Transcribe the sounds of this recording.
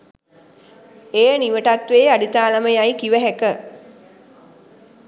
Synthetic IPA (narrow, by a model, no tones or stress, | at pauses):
ejəniʋəʈat̪ʋeːaɖit̪aːləməjajkiʋəɦɛkə